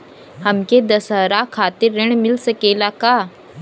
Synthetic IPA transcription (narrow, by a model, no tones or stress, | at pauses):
hɐmked̪ɐsəɾakʰaːt̪ɪɾːɪɽ̃mɪlsɐkeːlakaː